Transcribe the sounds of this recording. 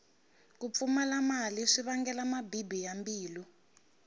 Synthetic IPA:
kup̪fumalamaliʂiβaŋɡɛlamabibijambiːlu

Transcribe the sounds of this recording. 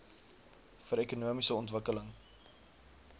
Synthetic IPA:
fəɾekunuəmisəɔntvəkələŋ

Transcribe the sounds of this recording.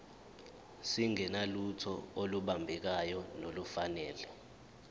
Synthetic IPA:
siŋɛnalutʰɔoluɓambʱɛk̬ajɔnolufanɛːlɛ

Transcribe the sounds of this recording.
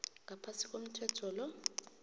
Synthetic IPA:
ŋapʰasikʼom̩tʰɛtʰɔlɔ

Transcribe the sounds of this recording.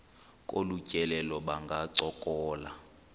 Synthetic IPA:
kʼolucʼɛlɛlɔɓaŋɡʱaǀɔkʼɔːla̰

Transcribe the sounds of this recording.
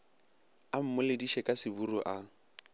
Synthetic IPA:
am̩mʊlɪdiʃɛkʼasɪburuʔa

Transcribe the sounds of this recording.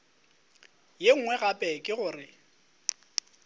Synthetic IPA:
jeŋ̩ŋwɛɣapʼɛkʼɪɣʊːrɪ

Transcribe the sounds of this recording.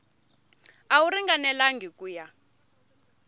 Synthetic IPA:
auɾiŋɡanɛlaŋɡikuːja

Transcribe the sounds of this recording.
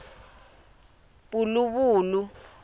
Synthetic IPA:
ɓuluɓuːlu

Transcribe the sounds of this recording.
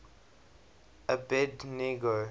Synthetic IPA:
əbɛdnɛɡɹo

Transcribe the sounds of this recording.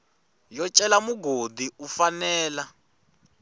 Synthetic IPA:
jɔt͡ʃʼɛlamuɡodiufanɛːla

